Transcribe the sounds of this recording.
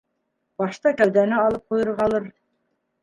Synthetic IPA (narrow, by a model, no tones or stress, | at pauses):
b̥ɑʃt̪ɑkʲæwd̪ænɪɑlˠɯp̚qʰojuɾʁɑlˠɯɾ